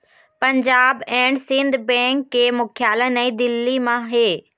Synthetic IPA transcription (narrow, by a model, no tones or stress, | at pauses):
pɐ̃ɲd͡ʑaːbɛːɽ̃sɪ̃nd̪bɛ̃ːŋkːeːmʊkʰjaːlənɛ̃id̪ɪlːimãɦeː